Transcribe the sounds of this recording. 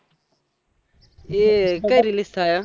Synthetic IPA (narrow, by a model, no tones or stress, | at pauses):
eːkəɾilɪst̪ʰaːja